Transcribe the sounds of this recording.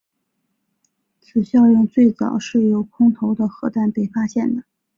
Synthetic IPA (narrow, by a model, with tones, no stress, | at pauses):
t͡sʰɹ̩˨˩ɕjɑ˥˧ʊɻə˥˧nt͡swe˥˩ɪt͡sɑ˨˩ʊʂɻ̩˥˩jo˨˩ʊkʰʊ˥ŋt̪ʰo˧˥ʊd̪ə˧xɤ˧˥t̪a˥˩npe˥˩ɪfa˥ɕjɛ˥˩nd̪ə˩